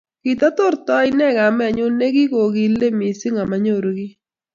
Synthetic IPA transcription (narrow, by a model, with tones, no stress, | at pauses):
ki˨ta˦to˦ɾtɔ˦i˦nɛ˦˨ka˨mɛ˦˨ɲʊ˦ne˦ki˦ko˨ki˦le˦mi˨si˦ŋa˨ma˦ɲo˦˨ɾo˨ki˦